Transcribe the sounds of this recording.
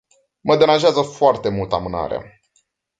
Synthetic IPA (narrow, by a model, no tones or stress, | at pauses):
məd̪eɾanʒeazəfoart̪e̞mult̪əamɨna̰ɾea̰